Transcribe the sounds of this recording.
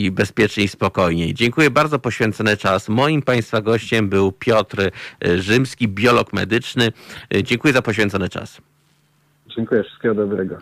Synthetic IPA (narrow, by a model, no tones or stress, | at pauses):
ibɛspʲjɛt͡ʂɲeispɔkɔjɲḛjd͡ʑɛŋkujɛbaɾd̪zɔpɔɕfʲɛnt̪sɔnɘt͡ʂasmɔjimpaj̃st̪faɡɔɕt͡ɕɛmbɘwpʲjɔt̪ɾʐɘmskʲibʲjɔlɔkmɛ̰d̪ɘt͡ʂnɘd͡ʑɛŋkujɛzapɔɕfʲɛ̃nt̪sɔnɘt͡ʂa̰s | d͡ʑɛŋkujɛfʂst̪̚kʲɛɡɔd̪ɔbɾɛɡɔ